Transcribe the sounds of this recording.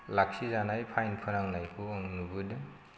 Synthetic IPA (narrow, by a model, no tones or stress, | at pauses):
lak̚sizanajpʰajnpʰɯnaŋnajpʰuɔŋnubɯdɯ